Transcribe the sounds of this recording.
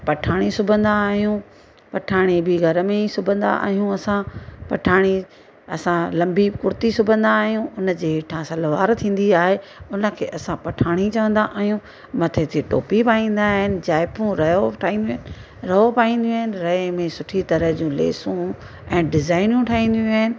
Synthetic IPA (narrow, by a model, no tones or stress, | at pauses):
pɐʈʰaːɽ̃isʊbʱə̃nd̪aːɦijũ | pɐʈʰaːɽ̃ibʱɪɡʱɐɾəmẽisʊbʱə̃nd̪a̰ʔa̰ːɦijũɐsãpɐʈʰaːɽ̃i | ɐsãlɐ̃mbikʊɾt̪isʊbʱə̃nd̪aːɦijũʊnə̆d͡ʑeːʈʰãsɐlʋaːɾt̪ʰĩːn̆d̪iaːɦeʊnə̆kʰḛːʔɐsãpɐʈʰaːɽ̃it͡ɕɐʋə̃nd̪aʔaːɦijũ | mɐt̪ʰet̪ʰeʈo̰ːpipaːĩːn̆d̪aɦɪnɪ̆d͡ʑaːɪpʰũɾɐjoʈʰaːĩːnd̪ũːnɪ̆ | ɾɐɦopaːĩːn̆d̪ijũaːɦɪnɪ̆ɾɐemẽsʊʈʰit̪ɐɾəɦd͡ʑũlḛːsũ | ɛ̃ːɖɪzaːɪnjũʈʰaːɦĩːn̆d̪jũaːɦɪnɪ̆